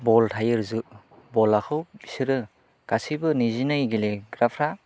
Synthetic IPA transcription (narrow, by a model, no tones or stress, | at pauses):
bɔltʰajɯɾzɯ | bɔlakʰɯwbisɯɾɯ | ɡ̥asibɯnizinajɡileɡɾapʰɾa